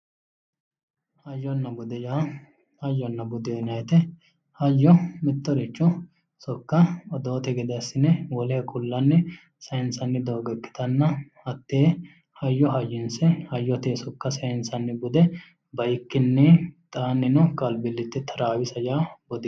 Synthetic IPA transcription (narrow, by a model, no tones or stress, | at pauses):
hɐjːɔnːɐbʊd̪ɛjaː | hɐjːɔnːɐbʊd̪eːnɐjt̪ɛ | hɐjːɔmɪt̪ːɔɾɪt͡ʃːɔ | sɔkːɐɔd̪oːt̪ɛɡɪd̪ɐsɪnɛwɔlɛhɛkʼʊlːɐnːɛ | sɐɪnsɐnːɪd̪oːɡɛkːɪ̥t̪ɐnːɐhɐt̪ːeː | hɐjːɔɦɐjːɪnsɛhɐjːɔt̪eːsɔkːɐsɐɪnsɐnːɪbʊd̪ɛ | bɐjɪkːɪnːɛt̪ʼaːnːɪnɔkʼɐlbɪlːɪt̪ːɪt̪ʰɐɾaːwɪsɐjaːbɔd̪ɪ